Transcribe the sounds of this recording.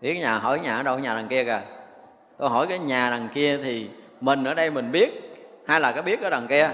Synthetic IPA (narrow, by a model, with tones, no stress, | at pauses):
ɓi˦˥tkːɲaː˨˩ɦɔ̰˧˩˦jɲaː˨˩ʔəː˨˦ɗə˧wɲaː˨˩a˨˩ŋki˧əkaː˨˩ | t̪o˧jɦɔ˧˩jkaː˨˦jɲaː˨˩na˨˩ŋki˧ət̪ʰi˨˩ | mï˨˩ŋ̟ʔəː˧˩ɗə˧jmï˨˩ŋ̟ɓi˦˥ət̚ | haː˧jlaː˨˩kaː˨˦ɓi˦˥ət̚ʔəː˨˦ɗa˨˩ŋki˧ə